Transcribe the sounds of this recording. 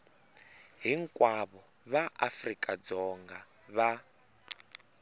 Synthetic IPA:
ɦiŋkʼwaβɔ | βaʔafrikʼad͡zɔŋɡa | βa

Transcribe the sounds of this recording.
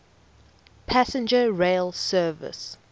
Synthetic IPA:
pʰæsə̃nd͡ʒəɹeɪlˠsɜːvə̰s

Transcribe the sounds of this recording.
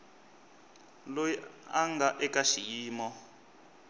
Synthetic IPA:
lojiaŋɡaʔɛkaʃijiːmɔ

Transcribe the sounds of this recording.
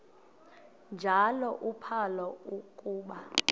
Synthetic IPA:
nd͡ʒʱalɔʔupʰalɔukʼuːɓa

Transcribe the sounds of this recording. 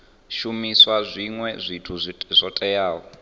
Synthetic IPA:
ʃumiswazʷiŋwɛzʷitʰuzz̥ʷɔtʼɛjaːwɔ

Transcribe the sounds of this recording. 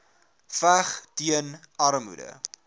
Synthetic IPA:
fæχtiən | ɐɾmṵdə̰

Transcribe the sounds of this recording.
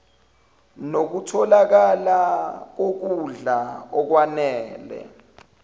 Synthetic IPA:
nok̬utʰɔlak̬alak̬ok̬uɮaɔk̬wanɛːlɛ̰

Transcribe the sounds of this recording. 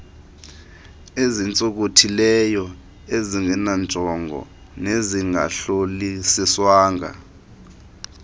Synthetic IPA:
ezint͡sʼok̬otʰilɛjɔ | eziŋɡʱɛnant͡sʼɔŋɡʱɔ̰ | neziŋɡʱa̰ɬolisiswaːŋɡa̰

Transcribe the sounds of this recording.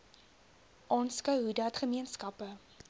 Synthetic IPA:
ʔɑːnskœwɦudɐtχəmiənskɐpə

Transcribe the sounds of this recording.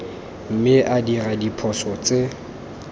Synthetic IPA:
m̩mɪʔadiradipʰɔsɔt͡sʼe

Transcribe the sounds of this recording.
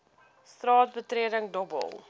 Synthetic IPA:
strɑːtbətriədəŋdɔbə̰lˠ

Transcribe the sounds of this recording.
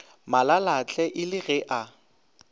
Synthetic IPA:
malalat͡ɬʼɛʔɪlɪɣɛʔa

